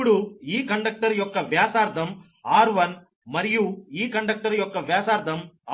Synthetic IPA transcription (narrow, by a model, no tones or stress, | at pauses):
ɽuiːkɐɳɖɐk̚ʈɐɾɪjɔkːɐʋjaːsaːɾt̪ɐm | aːɾʋɐn | mɐɾɪjuiːkɐɳɖɐk̚ʈɐɾɪjɔkːɐʋjaːsaːɾd̪ɐma